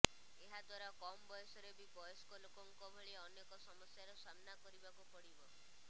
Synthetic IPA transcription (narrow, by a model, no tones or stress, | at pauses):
eɦad̪waɾakɔmɔbɔjɔsɔɾebibɔjɔsɔ̥kɔlokɔŋkɔbʱeɭeɔnekɔsɔmɔsjaɾɔsamnakɔɾibakupɔɽibɔ